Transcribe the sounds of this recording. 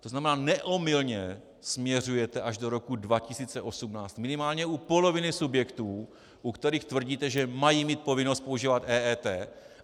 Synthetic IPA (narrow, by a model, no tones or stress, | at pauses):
t̪o̞znamɛnaːnɛʔomɪlɲɛ | smɲɛr̝ujɛt̪ɛʔaʒdo̞ɾo̞kudvacɪsiːt͡sɛʔo̞sumnaːt͡st̪mɪnɪmaːlɲɛupo̞lo̞vɪnɪsubjɛkt̪uː | ʔukt̪ɛɾiːxt̪vr̩ɟiːt̪ɛʒɛmajiːmiːt̪̚po̞vɪnost̪̚po̞uʒiːvat̪ʔɛːɛːt̪ɛː